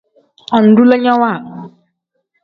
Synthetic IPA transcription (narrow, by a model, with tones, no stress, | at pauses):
ɔ˨n̩˨du˦le˦ɲɔ˦wa˦˨